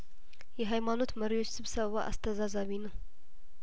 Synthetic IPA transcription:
jɛɦajmano̞t̪məɾiwot͡ʃːsɨβsəββaʔa̰st̪ʰəzazaβinɨ

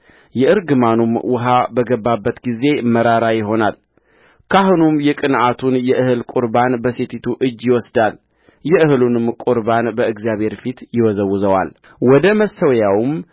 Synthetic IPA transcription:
jɛɨɾɡɨmanumwʊɦabəɡəbːabːət̪ɡize̞məɾaɾajɪɦo̞nal | kʰaɦɨnumjɛkʼɨnʔat̪ʰunjɛʔɨhɨlkʼuɾbanbəset̪ʰit̪ʰuʔɨd͡ʒːjɪwɔsd̪al | jɛɨhɨlunɨmkʼuɾbanbəɨɡzijaβhe̞ɾfit̪jɪwɔzəwːɨzəwa̰l | wɔd̪əməsəwjawm

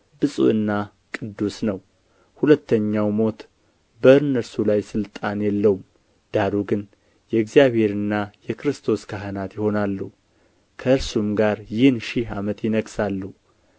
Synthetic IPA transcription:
bɨsʼṵɨnːa | kʼɨd̪ːusnəw | hulət̪ːəɲːawmo̞t̪ | bəɨnːəɾsulajsɨlt̪ʼanjɛlːəwum | d̪̥aɾuɡɨn | jɛɨɡzijaβhe̞ɾɨnːajɛkɾɨst̪ʰo̞skʰaɦənat̪jɪho̞nalːu | kʰəɨɾsumɡaɾjɪhnʃɪhamət̪jɪnəɡsalːuu

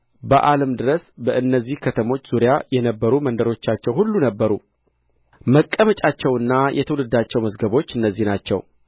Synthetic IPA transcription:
bəʔaləmd̪ɨɾəsbəʔɨnːəzːihkʰət̪ʰəmo̞t͡ʃːz̥uɾijajɛnəbːəɾumənd̪əɾo̞t͡ʃːat͡ʃːɛwhulːunəbːəɾu | məkʼːəmət͡ʃʼat͡ʃːɛwɨnːajʔɛ̰t̪ʰəwlɨd̪ːat͡ʃːɛwməzɡəβo̞t͡ʃːɨnːəzːihnat͡ʃːɛ̰w

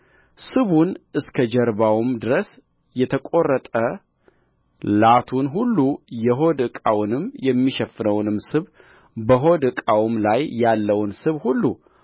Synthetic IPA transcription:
sɨβunɨskʰəd͡ʒɛɾbawmd̪ɨɾəs | jɛt̪ʰəkʼo̞rːət̪ʼə | lat̪ʰunɦulːujɛɦo̞d̪ɨkʼawnɨmjɛmːiʃɛfnəwnɨmsɨβ | bəɦod̪ɨkʼawmlajːalːəwnsɨβhulːu

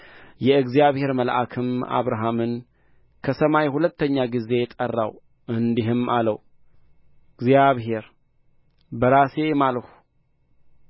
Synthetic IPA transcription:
jɛɨɡzijaβhe̞ɾməlʔakʰɨma̰βɾaɦamɨn | kʰəsəmajhulət̪ːəɲːaɡize̞jɛt̪ʼərːa̰w | ʔɨnd̪iɦɨmʔalə̰w | ɨɡzijaβɦe̞ɾ | bəɾase̞maləhu

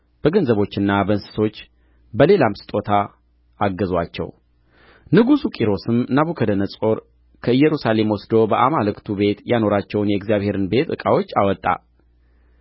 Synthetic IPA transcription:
b̥əɡənzəβo̞t͡ʃːɨnːabənsɨ̥so̞t͡ʃː | bəle̞lamsɨ̥t̪ʼo̞t̪ʰaː | ɡːəzwat͡ʃːɛ̰w | nɨɡusukʼiɾo̞sɨmnaβukʰəd̪ənəsʼo̞ɾ | kʰəɨjːɛɾusale̞mwɔsd̪o̞bəʔamalɨkt̪ʰube̞t̪jano̞ɾat͡ʃːɛwnjɛɡzijaβhe̞ɾɨnbe̞t̪ɨ̰kʼawo̞t͡ʃːawɔt̪ʼːa̰

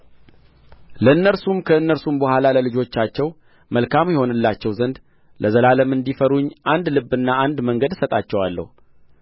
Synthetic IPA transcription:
ləɨnːəlsumkʰəɨnːəɾsumbəhʷalaləlɨd͡ʒo̞t͡ʃːat͡ʃːɛw | məlkʰamjɛho̞nɨlːat͡ʃːɛwzənd̪ | lʔəzəlaləmɨnd̪ifəɾuɲːʔand̪lɨbɨnːaand̪məŋɡəd̪sət̪ʼat͡ʃːɛwalːə̰hu

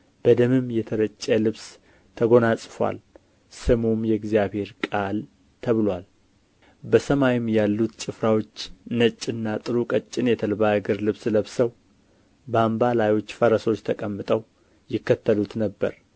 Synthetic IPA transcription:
b̥əd̪əmɨmjɛt̪ʰəɾət͡ʃʼːəlɨβs | t̪ʰəɡo̞nasʼfwa̰l | sɨmumjɛɡzijaβhe̞ɾkʼal | t̪ʰəβɨlwal | bəsəmajɪmjalːut̪t͡ʃʼɨfɾawo̞t͡ʃːnət͡ʃʼːɪnːat̪ʼɨɾukʼət͡ʃʼːɪnjɛt̪ʰəlβaɡɨɾlɨβsləβsəw | bambalajo̞t͡ʃːfəɾəso̞t͡ʃːt̪ʰəkʼəmːɨt̪ʼəw | jɪkːət̪ʰːəlut̪nəbːə̰ɾ

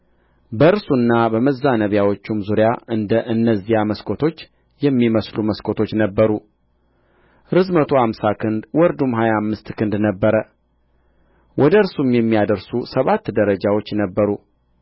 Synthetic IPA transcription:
bəɨɾsunːabəməzːanəβjawot͡ʃːumzuɾjaʔɨnd̪əʔɨnːəzːijaməskʰot̪ʰo̞t͡ʃː | jɛmːiməsluməskʰot̪ʰo̞t͡ʃːnəbːəɾu | ɾɨzmət̪ʰohamsakʰɨnd̪wɔɾd̪umɦajamːɨst̪kʰɨnd̪nəbːəɾə | wʔɔd̪əɨɾsumjɛmːijad̪əɾsusəβat̪ːd̪əɾəd͡ʒawo̞t͡ʃːnəbːəɾu

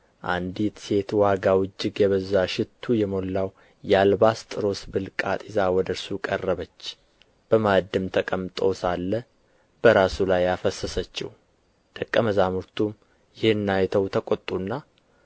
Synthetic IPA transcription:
ʔa̰nd̪it̪se̞t̪waɡawɨd͡ʒːɪɡjɛβəzːaʃɪt̪ʰːujɛmo̞lːaw | jalbast̪ʼɨɾo̞sbɨlkʼat̪ʼizawɔd̪əɾsukʼərːəβət͡ʃː | b̥əmad̪ɨmt̪ʰəkʼəmt̪ʼo̞salːə | b̥əɾasulajafəsəsət͡ʃːɪ̰h | d̪̥əkʼːəməzamuɾt̪ʰum | jɪhɨnːajt̪ʰəwt̪ʰəkʼot̪ʼːunːa

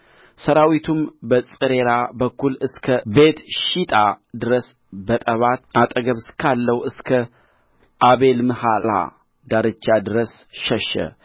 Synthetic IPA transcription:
səɾawit̪ʰumbət͡sʼɨɾe̞ɾabəkːulɨskʰəbe̞t̪ʃit̪ʼad̪ɨɾəs | bət̪ʼəβat̪at̪ʼəɡəβskʰalːəwɨskʰə | ʔaβe̞lmɨhala̰ | d̪aɾɨt͡ʃːad̪ɨɾəs | ʃəʃə̰

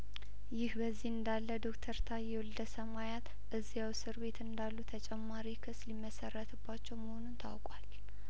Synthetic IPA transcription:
jɪhbəzːihɨnd̪alːəd̪o̞kt̪ʰəɾt̪ʰajɛwuld̪əsəmajat̪ | ʔɨzːijawsɨɾbe̞t̪ɨnd̪alːut̪ʰət͡ʃʼɛmːaɾikʰɨslimːəsərːət̪ʰɨbːat͡ʃːɛwməho̞nunt̪ʰa̰wkʼwal

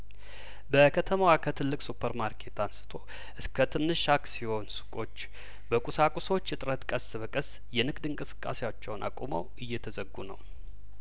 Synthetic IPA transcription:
bəkʰət̪ʰəmawakʰət̪ʰɨlːɨkʼsupʰəɾmaɾkʰe̞t̪ansɨ̥t̪ʰo̞ | ʔɨskʰət̪ʰɨnːɨʃaksiho̞nsu̥kʼo̞t͡ʃː | bəkʼusakʼuso̞t͡ʃːɨt̪ʼɾət̪kʼəsːɨβəkʼəs | jɛnɨɡd̪ɨŋkʼɨsɨ̥kʼːa̰sewot͡ʃːɛwnʔa̰kʷʼumə̰wɨjːɛt̪ʰəzəɡːunə̰w

